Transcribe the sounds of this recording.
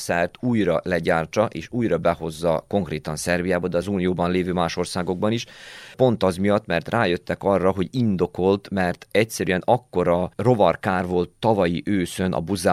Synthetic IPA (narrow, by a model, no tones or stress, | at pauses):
sɛrt̪uːjrɒlɛɟaːrt͡ʃɒʔeːʃuːjɾɒbɛho̞zːɒko̞ŋkreːt̪ɒnsɛrbijaːbɒd̪ɛɒzuːnijoːbɒnleːvøːmaːʃo̞rsaːɡo̞ɡ̚bɒniʃpo̞nt̪ɒzmijɒt̪mɛrt̪rʔaːjø̞t̪ːɛkɒrːɒɦo̞ɟind̪o̞ko̞lt̪mɛrt̪ɛc̚sɛɾyɛnɒkːo̞ɾɒro̞vɒrkaːrvo̞lt̪ːɒvɒjiʔøːsønʔɒ̰buza